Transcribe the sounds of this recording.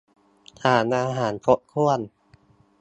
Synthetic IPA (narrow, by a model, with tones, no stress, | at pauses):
t̪ʰaː˩˦nʔaː˧ɦaː˩˦npʰo˦˥t̪̚kʰu˥˩ən